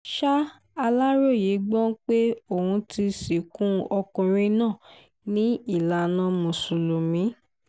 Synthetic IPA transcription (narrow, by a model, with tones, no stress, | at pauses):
ʃa˦ | a˧la˦ɾo˦˨ji˨˦ɡ͡bɔ̃˦k͡pe˦o˦˨hũ˧ti˧si˨kũ˦ɔ˧kɔ̃˨ɾ̃ĩ˦nãː˦˨ | nĩ˦i˦˨la˨nã˨˦mũ˨su˨lo˨mĩ˨˦